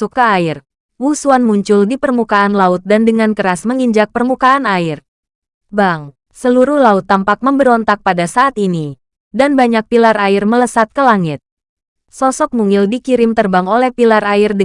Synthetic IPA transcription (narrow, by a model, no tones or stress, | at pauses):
ukaaɪr | wusuanmuɲt͡ʃʊldipərmukaanlaʊt̪̚dandəŋankəɾasməŋiɲd͡ʒak̚pərmukaːnaɪr | baŋ | səluɾuhlaʊt̪ːampak̚məmbəɾɔnt̪ak̚padasaʔːt̪ini | danbaɲak̚pilaɾaɪrmələsat̪̚kəlaŋɪt̪̚ | sɔsɔk̚muŋɪldikiɾɪmt̪ərbaŋolɛhpilaraɪrdə